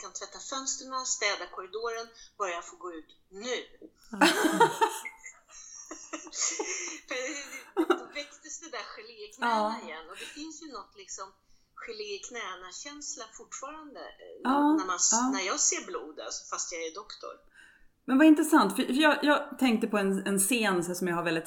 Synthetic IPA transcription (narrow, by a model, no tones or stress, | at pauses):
kʰant̪ʰvɛt̪ːafœnst̪əɾmɛɔst̪ɛːd̪akʰɔɾɪd̪oːɾənbœɾjafoːɡoːʉ̟ːt̪ | nʉ̟ː | f | d̪ɔvɛkt̪əsd̪ɛd̪æɾɧɪlɪːkʰnɛɑːɪjɛnːɔɛfɪnsjɵnɔt̪ːlɪksɔm | ɧɪlɪːkʰnɛːnaɕɛnslafʊʈːfɑːɾand̪ə̰ɑːæɾmanɑːæɾjɑːɡseːɾbloːd̪a̰sɔ̥fast̪jɑɛɖ̪ɔkt̪ʰɔ̰ɾ | mɛnvaɪnt̪ɾɛsant̪fœfəjɑːjʔɑːɡt̪ʰɛŋk̚t̪əpɔɛnɛnseːnsæʂɔmjɑɦaɾvɛlɪt̪